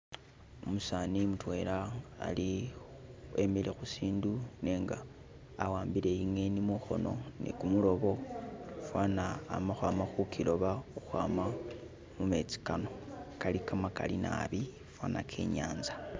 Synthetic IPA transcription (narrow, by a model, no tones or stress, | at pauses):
omusaːnimutwe̞ɾa̰ːli | e̞milexusiːndune̞ːŋɡaː | waːmbile̞iŋe̞nimuxo̞̰no̞̰nḛkumulo̞βo̞fwanaːmaxwaːmaxukʰilo̞βaxuxwaːma | mume̞t͡si̥kano̞kalikamaka̰lina̰βi | fwaːnakʰe̞̰ːɲa̰ːnzḁ